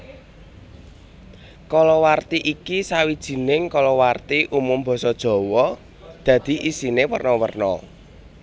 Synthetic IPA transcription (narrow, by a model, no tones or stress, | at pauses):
kɔlɔwart̪iʔikisawid̥ʒ̥i̤nɪŋkɔlɔwart̪iʔumʊmb̥ɔ̤sɔd̥ʒ̥ɔ̤wɔ | d̪̥ä̤d̪̥i̤ʔisinewərnɔwərnɔ̰